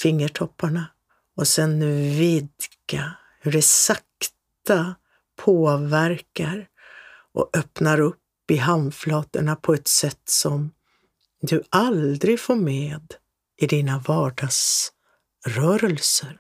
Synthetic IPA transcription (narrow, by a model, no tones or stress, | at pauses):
fɪŋːəʈʰɔpʰːaɳa | ɔsɛnvɪd̪ka | ɾɛsakt̪a | pʰoːvæɾkaɾ | ʔɔ̰ʔœpnaɾɵpːɪɦanflɑːt̪əɳapʰɔɛt̪sɛt̪ːsɔm | d̪ɵʔald̪ɾɪɡfoːɾmeːd̪ | ʔɪd̪iːnavɑːɖɑɡs | ɾœːɾəlsəɾ